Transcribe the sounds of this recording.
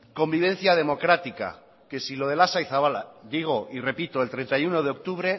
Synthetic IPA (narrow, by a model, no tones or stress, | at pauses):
ko̞mbiβ̞ẽ̞n̟θjað̞e̞mo̞kɾat̪ika̰ | ke̞silo̞ðe̞lasaiθaβalad̪iɣ̞o̞ʔire̞pit̪o̞elt̪ɾent̪ajuno̞ð̞eo̞k̚t̪uβ̞ɾe̞